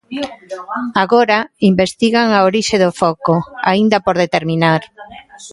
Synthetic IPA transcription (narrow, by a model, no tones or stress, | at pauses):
aɣoɾaimbest̪iɣaŋaoɾiʃeðofɔkoa̰ind̪ɐpoɾðet̪eɾminaɾ